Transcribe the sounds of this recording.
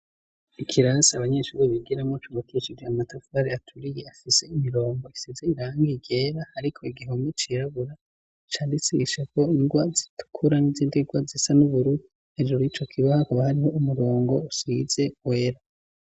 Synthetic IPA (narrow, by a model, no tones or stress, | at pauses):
ikʰiɾaːsiaβaɲe̞ːʃuɾiβiɡiɾamŋot͡ʃuβokit͡ʃiɡiamatafaɾiatʰuɾije̞afise̞imiɾo̞ːŋɡo̞isizeiɾaːŋɡiɡeːɾahaɾikʰo̞iɡiɦo̞mit͡ʃiɾaβuɾa | t͡ʃaːndisiɡiʃeko̞iŋɡwazi̥tʰu̥kʰuɾanivziːndiɡwazisanuβuɾui | hed͡ʒoɾit͡ʃo̞kʰiβahakuβahaɾiho̞umuɾo̞ːŋɡo̞usize̞we̞ːɾa